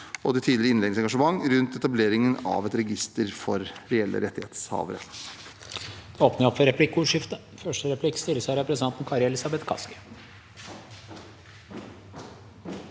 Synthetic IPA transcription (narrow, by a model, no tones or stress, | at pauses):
ɔd̪ɛt̪ʰiːd̪lɾəɪnled̪ɪsɛŋɡɑʂəmɑŋːɾʉnt̪ɛt̪ɑbleːɾɪŋənɑ̰ʋɛt̪ɾɛɡɪst̪əɾfɔɾɾɛɛlʔə̰ɾʔɛt̪ːɪheːt̪shɑ̰ːʋəɾə̰ | d̪̥ɛoːpnəɾɔpfɔɾɛpʰlɪkːuːʂɪft̪ə | fœʂʈəɾɛpʰlɪkːst̪ɪləsæɾɛpɾsənɑnt̪n̩kʰɑɾɪɛlɪsɑbɛt̪kʰɑ̰skə̥